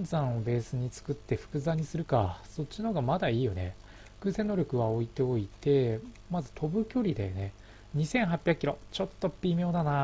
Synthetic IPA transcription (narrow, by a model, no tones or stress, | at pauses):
nzãɰ̃o̞be̞ːsɨɲ̟it͡sɨ̥kɯ̟t̪ːe̞ɸɯ̥kɯ̟zaɲ̟isɨɾɯ̟kaso̞t͡ɕːinoɡamad̪aiːjo̞ne̞̰̥ | kɯsẽ̞ːnːo̞ɾʲo̞kɯ̟βao̞it̪e̞o̞it̪e̞ | mazɨ̥t̪ʰo̞bɯ̟kʲo̞ɾʲid̪ene̞ | ɲ̟isẽ̞ɰ̃ɦapʲjakʲːiɾo̞t͡ɕo̞t̪ːo̞pʲːimʲo̞ːd̪ana